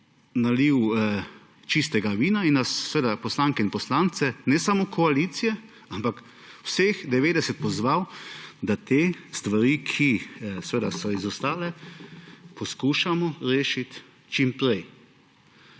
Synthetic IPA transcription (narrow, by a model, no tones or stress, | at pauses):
naliw | t͡ʃis̬t̪ɛɡaʋiːnainnassːʋeːd̪apɔslaŋkɛinpɔslant̪sɛnɛsamokʰɔaliːt̪sijɛ | ampak | wsexd̪ɛʋeːd̪ɛsɛt̪̚pɔzʋawd̪at̪eːst̪ʋaɾiːkʰisɛʋeːd̪asɔizɔst̪aːlɛ | pɔskuːʃamɔɾeːʃit̪ | t͡ʃimpɾɛj